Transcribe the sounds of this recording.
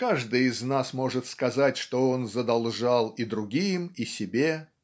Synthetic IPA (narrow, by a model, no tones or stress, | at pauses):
kaʐd̪ɨjɪznasmo̞ʐɨt̪skɐzatʲʂt̪oonzəd̪ɐlˠʐalˠid̪ɾʊɡʲijmisʲɪbʲe